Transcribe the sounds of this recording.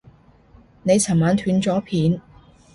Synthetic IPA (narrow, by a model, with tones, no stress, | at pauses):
ne˨˧jt͡sʰɐ˨˩nmaː˨˧nt̪ʰyː˨˧˥nt͡sɔː˨˥pʰiː˨˥n